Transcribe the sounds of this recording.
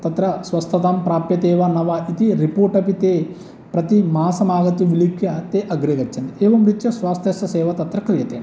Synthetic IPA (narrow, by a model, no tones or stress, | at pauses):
t̪ɐt̪ɾɐsʋɐst̪ʰɐt̪ampɾaːpjɐt̪eːʋɐnɐʋaʔit̪iɾipoːɾʈɐpit̪eː | pɾɐt̪imaːsɐmaːɡɐt̪uʋilipʰjɐt̪eːʔɐɡɾeːɡɐt͡ʃːɐnd̪ieːʋɐmɾit̪jɐsʋaːst̪ʰjɐsɐsɛːʋɐt̪ɐt̪ɾɐkɾijɐt̪eːn